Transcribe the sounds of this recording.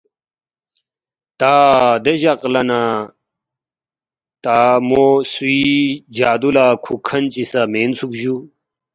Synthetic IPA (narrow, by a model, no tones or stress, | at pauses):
t̪aːd̪eʑɐqlɐna | t̪aːmosid͡ʑaːd̪ulakʰukʰɐnt͡ɕisameːnsukʑu